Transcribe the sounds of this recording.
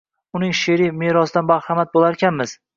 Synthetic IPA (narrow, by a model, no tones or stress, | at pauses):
ʊnɪŋʃeɾimeɾɒsɪd̪anmbaɾhamat̪̚bolˠaɾkʲanmɪz̥